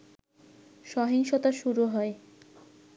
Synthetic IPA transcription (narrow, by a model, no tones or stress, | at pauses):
ʃɔɦiŋʃot̪aʃuɾuɦɔe